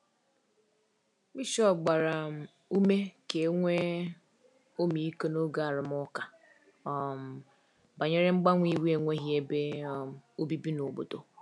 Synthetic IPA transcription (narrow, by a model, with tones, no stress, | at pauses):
bi˦ʃɔ˦˨ɡ͡ba˨ɾa˨ | u˦me˦ke˨˦ŋʷe˦ | o˦mi˨i˦ko˦no˦ɡa˦˨a˨ɾɪ˨m˦ʊ˦ka˨ | ɔ˨m̩˨ | ba˨ɲe˦ɾe˦ŋ͡m̩˦ɡ͡ba˦ŋʷi˦wi˦e˦˨ŋʷe˦ɦi˦e˦be˦˨ | o˦bi˦bi˦no˨bo̰˨do˨